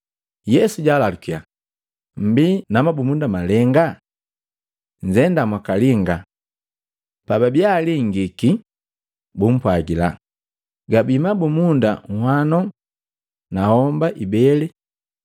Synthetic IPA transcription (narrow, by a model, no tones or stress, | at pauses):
jɛsuɟalalukia̰ | m̩binamabumundamalɛŋɡa | ɲ̩d͡ʒɛndamwakaliŋɡa | pababjaliŋɡiki | bum̩pwaɡila̰ | ɡabimabumunda̰ŋ̩hwanɔ | nahɔmbaʔibɛlɛ